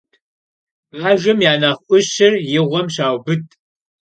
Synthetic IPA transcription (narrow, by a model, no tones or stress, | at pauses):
ʁaːʒʷɐmjaːnɐχʔʷʊɕɪrjɪʁʷɔmɕaːwbɨtʰʼ